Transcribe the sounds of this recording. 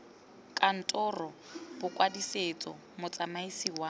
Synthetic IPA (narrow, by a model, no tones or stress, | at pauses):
kʼan̩tʼɔrɔbʊkʼwadiset͡sʼɔ̰ | mʊt͡sʼamaisiwa